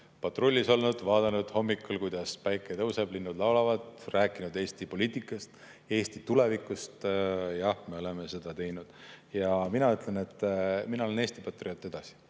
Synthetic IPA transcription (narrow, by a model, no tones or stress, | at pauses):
pɑt̪ˑro̞lʲːiso̞lnud̪̥vɑːd̪ɑnud̪̥ho̞mːikːulkujd̪̥ɑspæjkːˑet̪ɤwseblinːud̪̥lɑwlɑvɑd̪ræːkːˑinud̪e̞ːst̪ipo̞liːt̪ˑikːˑɑst̪ | e̞ːst̪it̪ule̞vikːˑust̪jɑhme̞o̞le̞me̞se̞d̪̥ɑt̪e̞jnud̪̥jɑminɑyt̪ˑle̞ne̞t̪ːˑminɑoene̞ːst̪ipɑt̪ːˑriot̪ːˑe̞d̪ɑsi̥